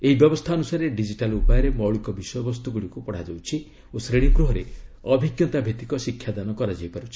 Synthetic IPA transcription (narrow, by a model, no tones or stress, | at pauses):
eɦibjɔbɔst̪ʰaɔnusaɾeɖid͡ʒiʈalupajɔɾemɔwɭikɔbisɔjɔbɔst̪uɡuɽikupɔɽ̤ad͡ʒawt͡ʃʰi | osɾeɽ̃iŋɡɾuɦɔɾeɔbʱiɡjɔt̪abʱet̪ikɔsikʰːjad̪anɔkɔɾad͡ʒajpaɾut͡ʃʰi̥